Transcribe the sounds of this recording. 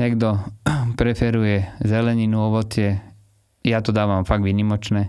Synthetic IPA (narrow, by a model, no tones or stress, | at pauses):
neɡd̪opɾefeɾujezeleninuoʋot̪je | ijaːt̪od̪aːʋamfakʋinimot͡ʃne